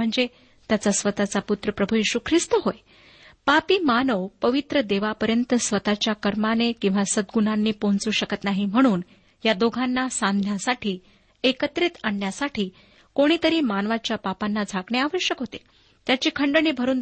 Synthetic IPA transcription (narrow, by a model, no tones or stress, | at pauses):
m̤əɳd͡ze | t̪jat͡sasʋət̪at͡saput̪ɾəpɾəbʱujiɕuːkʰɾist̪əɦoj | papiːmanəʋpəʋit̪ɾəd̪eʋapəɾjənt̪əsʋət̪at͡ɕjakəɾmanekĩw̃ʋasəd̪ɡunanːiːpont͡suːɕəkət̪naɦiːm̤əɽ̃uːn | jad̪oɡʱanːasãnd̪ʱnjasaʈʰiː | ekət̪ɾit̪aɳːjasaʈʰiː | koɽ̃iːt̪əɾiːmanʋat͡ɕjapapanːad͡zʱakɳeaʋəɕjəkɦot̪e | t̪jat͡ɕiːkʰəɳɖəniːbʱəɾuːn